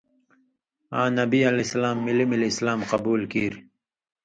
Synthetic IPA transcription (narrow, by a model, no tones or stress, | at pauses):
aːnɐbialeslaːmːilimilɪslaːmqɑbuːlkiɾ